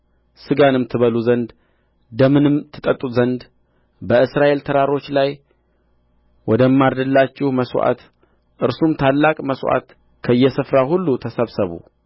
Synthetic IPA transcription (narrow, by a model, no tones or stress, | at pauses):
sɨɡanɨmt̪ʰɨβəluzənd̪ | d̪əmɨnɨmt̪ʰɨt̪ʼət̪ʼːuzənd̪ | bəɨsɾaʔe̞lt̪ʰəɾaɾo̞t͡ʃːlaj | wɔd̪əmːaɾd̪əlːat͡ʃːɪhməsʔa̰t̪ | ʔɨɾsumt̪ʰalːakʼməswʔa̰t̪ | kʰəɨjːɛsɨfɾahulːut̪ʰəsəβsəβṵ